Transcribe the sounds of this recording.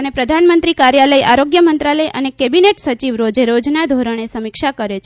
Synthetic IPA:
ənepɾəd̪ʱanmənt̪ɾikaɾjaləjʔaɾoɡjəmənt̪ɾaləjʔənekebineʈsət͡ʃiʋɾod͡ʒeɾod͡ʒnad̪ʱoɾəɳ̃esəmikʃakəɾet͡ʃʰ

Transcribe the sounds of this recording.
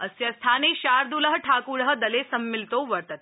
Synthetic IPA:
əsjast̪ʰaːniɕaɾd̪uləɦəʈʰakuɭəɦəd̪ɐlesəmːilt̪oʋəɾt̪ət̪̚

